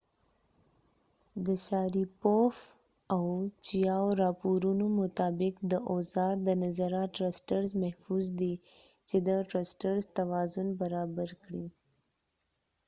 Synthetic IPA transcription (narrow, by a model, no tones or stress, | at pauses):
d̪əʃɑɾipof | awt͡ʃijɑwɾɑpuɾunomʊt̪ɑbɪkd̪əʔozɑɾd̪ənazaɾɑʈɾasʈaɾzmahfuzd̪i | t͡ʃed̪əʈɾasʈaɾzt̪awɑzʊnbaɾɑbaɾkɽi